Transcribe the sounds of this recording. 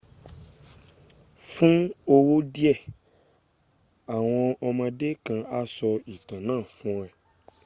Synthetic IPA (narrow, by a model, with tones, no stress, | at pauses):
fũ˦o˧wo˦di˦ɛ˦˨ | a˨w̃ɔ̃˧ɔ˧mã˧de˦kã˧a˦sɔ˧i˨tã˨nãː˦˨fũ˦˧˦ɛ˨